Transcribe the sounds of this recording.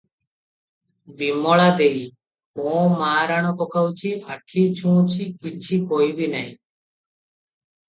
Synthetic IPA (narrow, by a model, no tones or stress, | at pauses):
bimɔɭad̪ej | mɔ̃maːɾaɽ̃ɔpɔkawt͡ʃʰiʔaʈʰit͡ʃʰũt͡ʃʰikit͡ʃʰikoibinaɦĩ